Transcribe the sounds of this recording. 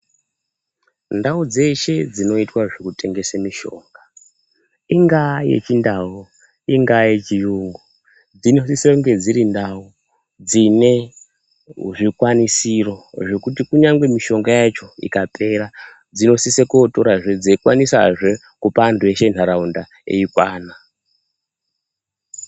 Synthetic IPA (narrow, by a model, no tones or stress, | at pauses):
ndaud͡ze̞ʃe̞d͡zino̞itwaʐekute̞ŋɡe̞semiʃo̞̰ːŋɡa | iŋɡajḛt͡ʃindau | iŋɡajet͡ʃijuːŋɡu | d͡zinosiseŋɡe̞d͡ziɾindau | d͡zine̞ | ʐikwanisiro̞ʐe̞kutikuɲaŋɡwe̞miʃo̞ŋɡajat͡ʃo̞ḭkapʰe̞ɾa | d͡zino̞sisekoto̞ɾaʐed͡ziikwanisaʐe | kupandueʃenaɾaunda | ḛikwaːna